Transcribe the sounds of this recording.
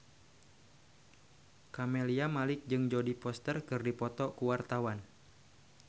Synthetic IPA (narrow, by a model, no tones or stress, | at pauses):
kameliamalɪk̚d͡ʒɨŋd͡ʒodipɔst̪ərkɨrdipɔt̪ɔkuwart̪awan